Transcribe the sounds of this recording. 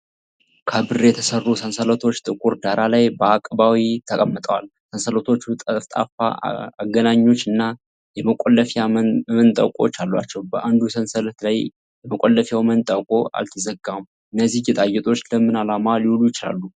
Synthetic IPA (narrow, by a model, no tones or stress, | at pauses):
kʰəbɨrjɛt̪ʰəsərːusənsələt̪ʰo̞t͡ʃːt̪ʼɨkʼuɾd̪aɾalajbəakʼbawit̪ʰəkʼəmːɨt̪ʼəwalsənsələt̪ʰo̞t͡ʃːut̪ʼəft̪ʼa̰fa̰aɡənaɲːo̞t͡ʃːɨnːa | jɛməkʼolːəfamənt̪ʼə̰kʼo̞̰t͡ʃːalːwa̰t͡ʃːɛwbəʔand̪usənsələt̪laj | jɛməkʼolːəfjawmənt̪ʼəkʼo̞a̰lt̪ʰəzəɡamuʔɨnːəzːihjɛt̪ʼajɛt̪ʼo̞t͡ʃːləmːɨnalamaliwulujɪt͡ʃɪla̰lːu